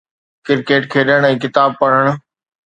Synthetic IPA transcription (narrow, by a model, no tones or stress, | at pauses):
kɪɾkeːʈkʰeːɗəɽ̃ɛ̃ːkɪt̪aːb̚pɐɽ̤əɽ̃